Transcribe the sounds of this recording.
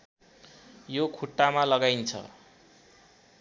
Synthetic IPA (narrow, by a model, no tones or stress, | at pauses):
jokʰuʈːamalʌɡajnt͡sʰʌ̰